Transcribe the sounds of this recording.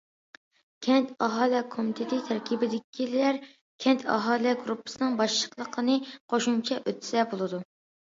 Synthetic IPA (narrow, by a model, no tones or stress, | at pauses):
kʲʰɛnt̪ɑɦɑːlˠɛkʰomit̪ʰɪt̪ʰɪt̪ʰæɾkʲʰibɪd̪ɪkʲʰːilæɾ | kʲʰɛnt̪ʰɑ̰ɦɑːlˠɛɡɾupʰːɨ̥sɨnɨŋbɑʃlə̥qlˠəqʰənɨqʰoʃumt͡ʃʰɛʔøt̪ʰsɛbolˠɨd̪u